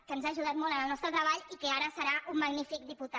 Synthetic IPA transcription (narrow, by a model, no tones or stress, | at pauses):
kənzaːʒuð̞at̪mɔlənəlˠnɔst̪ɾət̪ɾəβaʎikəaɾəsəɾaʔumːəɡnifik̚d̪iput̪a